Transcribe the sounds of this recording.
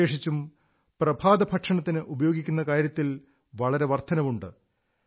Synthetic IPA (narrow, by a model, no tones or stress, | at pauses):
eːʂit͡ɕːum | prɐbʱaːd̪ɐpʰɐʈʂɐɳɐt̪ːinɨʔubɐjoːɡikʲːunːɐkaːɾjɐt̪ːil | ʋɐɭɐɾe̞ʋɐrt̪ʰɐnɐmuɳɖɨ